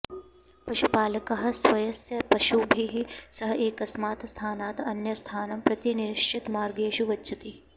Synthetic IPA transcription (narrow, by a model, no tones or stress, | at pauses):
pɐʃupaːlɐkɐɦɐ̆sʋɐjɐsjɐpɐʃubʱiɦisɐɦɐeːkɐsmaːt̪st̪ʰaːnaːt̪ɐnjɐst̪ʰaːnɐmpɾɐt̪inɪɾɪʃt͡ʃʰɪt̪maːɾɡeːʃuʋɐtːt͡ʃʰɐt̪i